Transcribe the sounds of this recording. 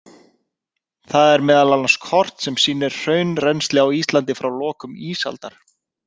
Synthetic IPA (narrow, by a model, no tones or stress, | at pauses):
θaðɛɾmɛːðalalnḁskʰɔr̥t̪sɛmsiːnɪɾr̥œːɥnrɛjnst̪lɪawiːst̪lant̪ɪfɾawlɔːkʏmiːsa̰lt̪aɾ̥